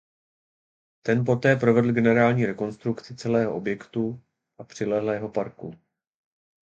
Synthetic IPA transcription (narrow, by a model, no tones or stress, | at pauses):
t̪ɛnp̬o̞t̪ɛːpɾo̞vɛd̪l̩ɡɛnɛɾaːlɲiːɾɛko̞nst̪ɾukt͡sɪt͡sɛlɛːɦo̞ʔo̞bjɛkt̪u | ʔapr̝̥ɪlɛɦlɛjɦo̞paɾkṵ